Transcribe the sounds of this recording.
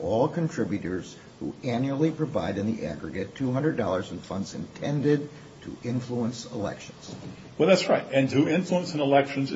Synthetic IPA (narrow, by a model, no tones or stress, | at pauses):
ɔlˠkʰɨ̃ntʰɹ̥ɪbjʉɾə˞z̥ | hṵæ̃njul̩ˠipʰɹ̥ɨva̰ɪɾɨ̃nðḭʔæ̰ɡɹɨɡɨtʰuɦʌ̃ndɹədɔlˠə˞z̃n̩fʌ̃ndzɨ̰̃ntʰɛ̃ndɪd̚ | tʰə̰ʔɪ̃ɱfluə̃nsəlɛ̰kʃə̃n̩z̥ | wɛlˠðætsɹaɪtɨ̃ntɨɪ̃ɱfluə̃nsɨ̃nəlɛkʃɨ̃n̩z